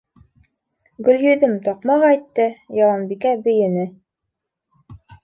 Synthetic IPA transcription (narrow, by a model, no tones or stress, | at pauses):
ɡɵ̆ljɵ̆ðɘmt̪ɑq̚mɑʁɑjt̪ːɤjɑlˠɑnbikæbɘ̆jɘ̆nɘ